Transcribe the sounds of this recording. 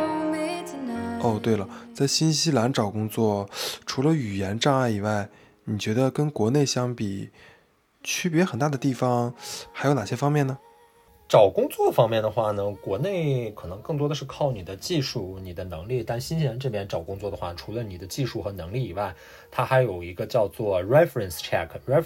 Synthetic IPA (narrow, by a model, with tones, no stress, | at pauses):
ɔ˥˧t̪we˥˩ɪlə˩t͡sa˥˩ɪɕi˥nɕi˥la˧˥nʈ͡ʂɑ˨˩ʊkʊ˥ŋt͡swɔ˥˩ʈ͡ʂʰu˧˥lə˧y˨˩jɛ˧˥nʈ͡ʂa˥˧ŋa˥˩ɪi˨˩wa˥˩ɪ | ni˨˩t͡ɕɥɛ˧˥d̪ə˧kə˥nkwɔ˧˥ne˥˩ɪɕjɑ˥ŋpi˨˩ | t͡ɕʰy˥pjɛ˧˥xə˨˩nt̪a˥˩d̪ə˩t̪i˥˩fɑ˩ŋxa˧˥ɪo˧˥na˨˩ɕjɛ˥fɑ˥ŋmjɛ˥˩nnə˩ | ʈ͡ʂɑ˨˩ʊkʊ˥ŋt͡swɔ˥˩d̪ə˩fɑ˥ŋmjɛ˥˩nd̪ə˩xwa˥˩nə˩kwɔ˧˥ne˥˩ɪkʰɤ˨˩nɤ˧˥ŋkɤ˥˩˧ŋt̪wɔ˥d̪ə˧ʂɻ̩˥˧kʰɑ˥˩ʊni˨˩d̪ə˦t͡ɕi˥˧ʂu˥˩ni˨˩d̪ə˦nɤ˧˥ŋli˥˩t̪a˥˩˧nɕi˥nɕi˥la˧˥nʈ͡ʂɤ˥˩pjɛ˥nʈ͡ʂɑ˨˩ʊkʊ˥ŋt͡swɔ˥˩d̪ə˩xwa̰˥˩ʈ͡ʂʰu˧˥lə˧ni˨˩d̪ə˦t͡ɕi˥˧ʂu˥˩xɤ˧˥nɤ˧˥ŋli˥˩i˨˩wa˥˩ɪ | t̪ʰa˥xa˧˥ɪjo˨˩ʊi˧˥ɡə˧t͡ɕjɑ˥˧ʊt͡swɔ˥˩ɹɛ˥fɹə˨˩nsʈ͡ʂʰɛ˥˩kʰɹɛ˥